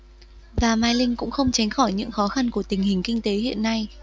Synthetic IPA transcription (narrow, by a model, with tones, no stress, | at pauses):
vaː˨˩maː˧jlï˧ŋ̟kʊ̰˧˥ŋ͡mxə˧wŋ͡mt͡ɕa˨˦jŋ̟xɔ˧˩jɲɨ̰˧˥ŋxɔ˨˦xa˧nku˧˩ət̪ï˨˩ŋ̟hï˨˩ŋ̟kï˧ŋ̟t̪e˨˦hḭ˧˨ənːa˧j